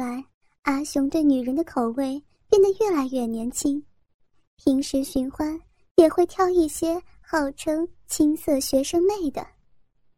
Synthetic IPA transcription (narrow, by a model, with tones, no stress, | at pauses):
a˧˥ɪ | a˧˥ɕʊ˧˥ŋt̪we˥˩ɪny˨˩ɻə˧˥nd̪ə˧kʰo˨˩ʊwe˥˧ɪ | pjɛ˥˩nd̪ə˩ɥɛ˥˩la˧˥ɪɥɛ˥˩njɛ˧˥nt͡ɕʰi˥ŋ | pʰi˧˥ŋʂɻ̩˧˥ɕy˧˥nxwa˥n | jɛ˨˩xwe˥˧ɪt̪ʰjɑ˥˧ʊi˥˩ɕjɛ˥ | xɑ˥˩ʊʈ͡ʂʰɤ˥ŋt͡ɕʰi˥ŋsɤ˥˩ɕɥɛ˧˥ʂɤ˥ŋme˥˩ɪd̪ə̰˩